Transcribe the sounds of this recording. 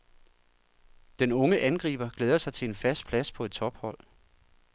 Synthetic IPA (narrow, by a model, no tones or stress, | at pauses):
d̥enɔ̽ŋəʔænɡ̥ʁḭːb̥ɐɡ̥leːðˠɐsɑ̈ɪt͡sʰe̝enfæsd̥̚pʰlæspʰɒ̽e̝d̥̚t͡sʰɒ̽b̥hɒ̽l̰